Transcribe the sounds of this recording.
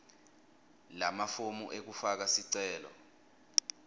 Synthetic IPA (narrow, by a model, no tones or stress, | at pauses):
lamafomuʔek̬ufak̬asiǀɛːlɔ̰